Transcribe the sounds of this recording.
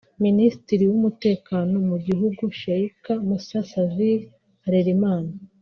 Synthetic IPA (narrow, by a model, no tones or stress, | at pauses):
ministiɾiwumute̞ːkaːno̞muɟiɦuɡuʃaikamusasazi | aɾeɾimaːna